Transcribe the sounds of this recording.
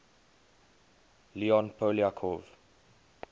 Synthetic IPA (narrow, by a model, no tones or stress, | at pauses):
liɔ̃npʰoliakʰɔv